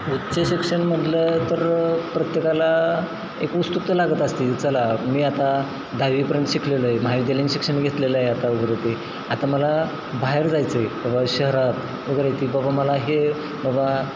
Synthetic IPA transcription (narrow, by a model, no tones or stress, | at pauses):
ut̪ːt͡ɕəɕikʂəɳm̤əʈlət̪əɾpɾət̪jekala | ekust̪uk̚t̪əlaɡət̪əst̪iːlt͡səlamiːat̪a | d̪ʱaʋiːpəɾjənt̪əɕikʰleləɦemaid̪elĩnɕikʂəɳɡʱet̪leləɦeat̪auɡɾajt̪i | at̪aməla | baɦeɾd͡zajt͡səebabaɕəɦɾat̪ | uɡɾajt̪iːbabaməlaɦe | baba